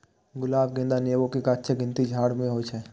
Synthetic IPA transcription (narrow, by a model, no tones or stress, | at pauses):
ɡʊlaːbɡẽːnd̪aneːʋõkekaːtːʃʰeɡɪ̃nt̪id͡ʒʱaːɽmẽɦot͡ʃʰɛ